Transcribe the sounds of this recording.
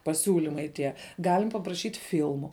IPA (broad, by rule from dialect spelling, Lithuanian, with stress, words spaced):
pɐˈsʲuːlʲɪmɐɪ tʲiɛ ˈɡɑːlʲɪm pɐprɐˈʃʲiːtʲ ˈfʲɪlˠmʊ